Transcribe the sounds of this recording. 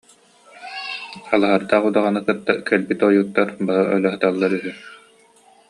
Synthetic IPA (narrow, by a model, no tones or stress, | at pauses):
alˠaɦaɾd̪aːχud̪aʁanɯkɯt̪ːakɛlbit̪ɔjut̪ːaɾbaɾɯʔœlœɦɯt̪alˠːaɾyɦy